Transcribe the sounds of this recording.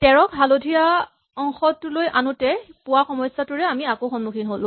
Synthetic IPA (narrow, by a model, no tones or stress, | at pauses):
tɛɹɔkɦalodʱija | ɔŋxɔtʊlojʔanʊtɛpʊwaxɔmɔjsatʊɹɛamiakoxɔnmukʰinɦolʊ̃